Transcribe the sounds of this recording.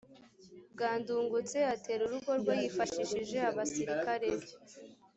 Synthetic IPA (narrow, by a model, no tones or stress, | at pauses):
bɡaːnduːŋɡut͡se̞ate̞ːɾuɾuɡo̞ɾɡwajifaʃiʃiʒe̞aβasiɾikaɾe̞bje